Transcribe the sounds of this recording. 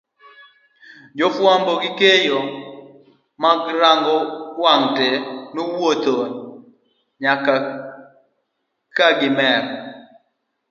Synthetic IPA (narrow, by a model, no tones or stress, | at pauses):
d͡ʒofwambɔɡɪkejo | maɡɾaŋɡɔwaŋtenuwot̪o | ɲaka | kaɡɪmɛk